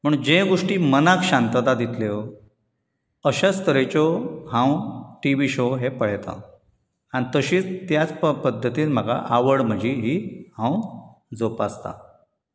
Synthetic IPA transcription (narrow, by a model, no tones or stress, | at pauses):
m̤əɳd͡ʑeɡoʂʈiːmənakɕant̪əd̪ad̪it̪ʰleʋ | əɕast̪əɾet͡ɕɔɦãwʈiʋiɕoɦepəɭ̤et̪a̰ | añit̪əɕiːt͡st̪jat͡spəd̪ʱːət̪iːnm̤aɡa̰ʔaʋəɽm̤əd͡ʑʱiɦiːhãwd͡zopast̪a̰